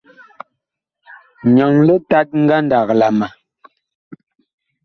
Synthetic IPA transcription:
ɲɔ˨ŋlə˦ta˦t̚ŋ̩˦ɡa˦n˦da˨kla˨ma˨

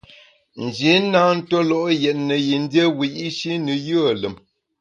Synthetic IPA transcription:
n̩˨d͡ʒi˨˦naː˦n̩˦to˦lɔ˦ʔjɛ˨t̚nə˨ji˨n̩˦djə˦wi˨ji˦ʃi˦nɨ˨jə˦ə˨lə˨m

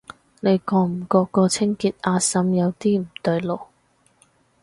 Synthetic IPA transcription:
ne˨˧jkɔː˧m̩˨˩kɔː˧kːɔː˧t͡sʰɪ˥ŋkiː˨˧t̪̚aː˧sɐ˨˥mjɐ˨˧wt̪iː˥m̩˨˩t̪ɵ˧ɥlo˨˩w

